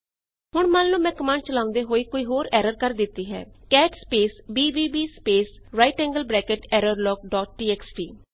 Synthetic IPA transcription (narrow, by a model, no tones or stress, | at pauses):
ɦʊɳmanlũːmɛ̃ːkəmãːɳɖ̚t͡ʃəlaːʊ̃nd̪eːɦoːiːkoːiːɦoːɾɛːɾəɾkəɾd̪ɪt̪ːiːɦɛ̰ːkɛːʈspeːsbiːbiːbiːspeːs | ɾaːɪʈɛ̃ːŋɡəlbɾɛːkeʈɛːɾəɾlɔːk̚ɖɔːʈ̚ʈiːɛːksʈiː